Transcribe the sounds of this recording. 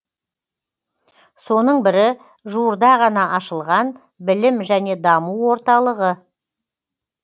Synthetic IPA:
so̞nəɴbɪɾɪ | ʒuəɾd̪ɑʁɑnɑʔɑʃəlˠʁɑn | bɪlɪmʒæne̞d̪ɑmuwwo̞ɾt̪ɑlˠəʁə

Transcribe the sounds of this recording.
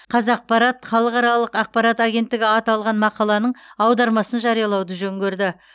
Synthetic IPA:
qʰɑzɑq̚pɑɾɑt̪χɑlˠəqɑɾɑlˠəqɑq̚pɑɾɑt̪aɡʲe̞nt̪ːɪɡʲɪɑt̪ɑlˠʁɑnmɑqɑlˠɑnəɴɑwd̪ɑɾmɑsənʒɑɾijɑlˠɑwd̪əʒɵŋɡʲe̞ɾd̪ɪ

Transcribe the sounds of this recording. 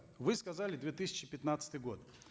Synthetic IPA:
vɨskɐzalʲɪd̪vʲet̪ɨsʲɪ̥t͡ɕːɪpʲɪt̪nat̪sɨ̥t̪ɨjɡo̞t̪

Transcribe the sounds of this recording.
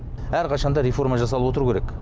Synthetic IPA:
æɾqʰɑʃɑnd̪ɑɾefo̞ɾmɑʒɑs̬ɑlˠəwo̞t̪əɾukʰʲeɾek

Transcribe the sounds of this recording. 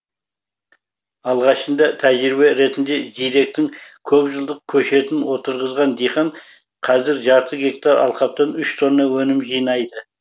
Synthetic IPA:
ɑlˠʁɑʃənd̪ɑt̪ʰæʒɾɪbe̞ɾe̞t̪ɪnd̪e̞ʒijd̪e̞k̚t̪ɪŋkʲʰɵpʒəlˠd̪əq̚kʲʰɵʃɾe̞t̪ɪnwo̞t̪əɾʁəzʁɑnd̪ijχɑɴ | qʰɑzɪɾʒɑɾt̪ʰəɡʲe̞kt̪ɑɾɑ̰lˠqɑp̚t̪ɑnʏʃt̪ʰo̞nːɑwɵnɪmʒijnɑjd̪ə

